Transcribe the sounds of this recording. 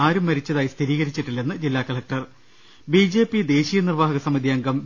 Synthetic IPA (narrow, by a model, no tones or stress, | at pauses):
aːɾumːɐɾit͡ɕːɐðaːjist̪ʰiɾiːɣɐɾit͡ɕːiʈːilːenːɨd͡ʑilːaːkɐɭɐk̚ʈɐr | bid͡ʑe̞ːpːid̪e̞ːɕiːjɐnirʋaːɦɐɡɐsɐmɐd̪ʱiɐŋɡɐm